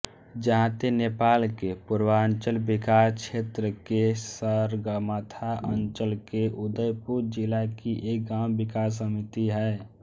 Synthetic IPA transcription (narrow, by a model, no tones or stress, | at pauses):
d͡ʒəɦãt̪enepaːlkepuɾwəənt͡ʃəlbɪkaːskt͡ʃʰeːt̪ɾəkesəɾɡəmət̪ʰaʔənt͡ʃəlkeʔud̪əjpuɾd͡ʒɪlakiʔek̚ɡãbɪkas̬əmit̪iɦɛː